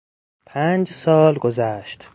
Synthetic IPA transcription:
pʰæːnd͡ʒsɒːlɡozæːʃt̪

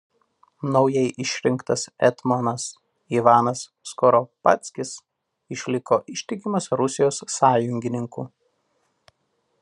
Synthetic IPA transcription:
nɒʊjɛɪʔɪʃʲɾʲɪŋˑkt̪ɐsɛt̪mɔnɐs | iʋɑːnɐsːkɔɾɔpɐ̰t̪sʲkʲɪs | ɪʃʲlʲɪkoːʔɪʃʲt̪ʲɪkʲɪmɐsɾʊsʲɪjoːsːɑːjʊŋʲɡʲɪnʲɪŋkṵː

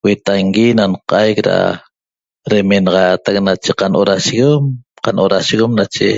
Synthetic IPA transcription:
wet̪aŋɡinanqajkɾa̰ | ɾemenɑʁɑjat̪ak̚nat͡ʃeqanʔoɾaʃiɣomqanʔoɾaʃiɣomnat͡ʃḛ

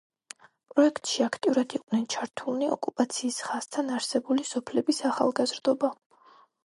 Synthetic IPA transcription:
pʼɾɔɛkʰt̪ʼʃiakʰt̪ʼiuɾad̪ʰiqʼnɛnt͡ʃʰaɾt̪ʰulˠniɔ̰kʼupʼat̪sʰiːsχast̪ʰanaɾsɛbulisɔpʰlɛbisaχa̰lˠɡazɾd̪ɔba

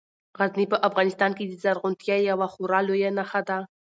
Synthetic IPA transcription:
ɣaznipəʔafɣɑnɪst̪ɑnked̪əzaɾɣʊnt̪jajawaχʊɾɑlojanaxad̪a

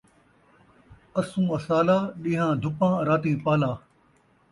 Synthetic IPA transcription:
əsũːɐsaːlaːɗĩːɦãːd̪ʱʊpãːɾaːt̪ĩːpaːlaː

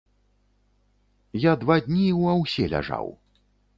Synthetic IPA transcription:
jad̪vad̪ʲnʲiwɐwsʲɛlʲa̰ʐa̰w

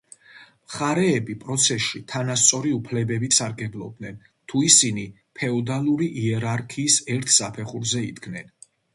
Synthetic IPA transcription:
mχaɾɛːbipʼɾɔt̪sʰɛsʃit̪ʰanast̪sʼɔɾiupʰlɛbɛbisaɾɡɛblˠɔb̚d̪nɛn | t̪ʰuisini | pʰɛɔd̪alˠuɾiʔiɛɾaɾkʰiːsɛɾt̪ʰsapʰɛχuɾzɛid̪ɡnɛn

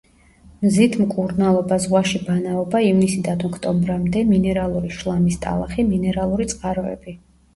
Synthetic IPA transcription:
mzit̪ʰmkʼuɾnalˠɔbazʁwaʃibanaɔbaivnisid̪anɔkʰt̪ʼɔmbɾamd̪ɛminɛɾalˠuɾiʃlˠamist̪ʼa̰lˠaχiminɛɾalˠuɾit̪sʼqʼaɾɔɛ̰b̥i

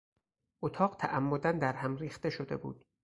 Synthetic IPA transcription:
ʔot̪ʰɒːɢt̪ʰæʔæmːod̪ænd̪æɾhæmriːxt̪e̞ʃod̪e̞̰bṵːd̪̥

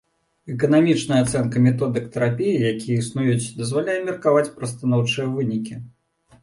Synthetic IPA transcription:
ɛkɐnamʲit͡ʂnɐjɐat̪sɛnkɐmʲɛt̪ɔd̪ɨkt̪ɐɾapʲijijakʲijɐisnujut͡sʲd̪ɐzvalʲajɛmʲirkavat͡sʲpɾɐst̪anɔwt͡ʂɨjɐvɨnʲikʲi

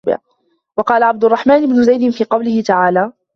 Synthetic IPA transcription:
bɪ̰ʕ | wɑqɑːlaʕab̚d̪ʊrˤːɑħmaːnʔɪbnʊzajd̪ɪnfiːqɑwlɪhɪt̪aʕaːlaː

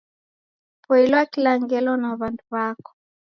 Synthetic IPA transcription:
pɔilɛakilaŋɡɛlɔnaβanduβakɔ̥

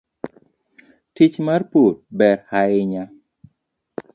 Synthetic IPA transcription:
tit͡ʃmarpot̚bɛrhaɪɲa

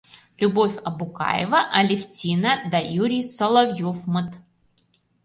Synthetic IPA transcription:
lʲʊbofʲɐbʊka̰jɪ̰vɐʔɐlʲɪfʲtʲinɐd̪ɐjuɾʲɪjsɐlˠɐvjofmɨt̪

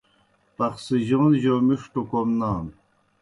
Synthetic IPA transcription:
pɐχsiʑoːnʑoːmiʂʈukomnaːn

